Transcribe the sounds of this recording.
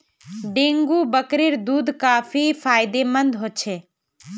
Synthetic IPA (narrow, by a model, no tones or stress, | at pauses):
ɖẽːŋɡubəkɾɪɾd̪uːd̪kaːfʰifʰaːɪd̪emə̃nd̪ɦoːt͡ʃʰeː